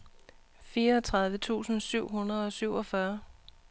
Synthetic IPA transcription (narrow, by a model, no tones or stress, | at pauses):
fiːɐt͡sʰʁɑ̈ð̞ˠʋət͡sʰṵːsn̩syʊ̰ɦunɐð̩ˠɒ̽syʊ̰ɒ̽fɶɐ